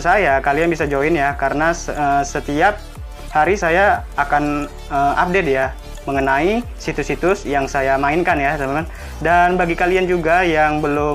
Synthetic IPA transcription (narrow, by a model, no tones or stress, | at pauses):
sajakalianbisad͡ʒoɪnjakaɾənasəsət̪iap̚ | haɾisajaːkan | əmʔa̰p̚dɛt̪̚ja | məŋənaisit̪usit̪ʊsjaŋsajamaɪnkanjasamaman | danbaɡikaliand͡ʒuɡajaŋbəlʊ